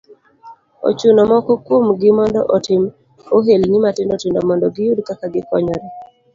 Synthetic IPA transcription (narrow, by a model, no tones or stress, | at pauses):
o̰t͡ʃunɔmɔkɔkwomɡɪmɔndɔ̰ʔotɪm | oɦelnɪmatɪndotɪndɔmɔndɔɡɪjudkakaɡɪkɔɲɔɾɛ